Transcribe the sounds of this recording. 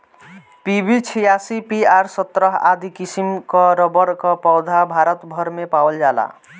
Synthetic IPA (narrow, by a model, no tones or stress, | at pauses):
pibit͡ʃʰijasipiaɾsɔt̪ɾʌɦa̰d̪ikisimkɔɾɔbʌɾkɔpɔwd̪ʱabʱaɾʌt̪bʱʌɾmepawld͡ʒala̰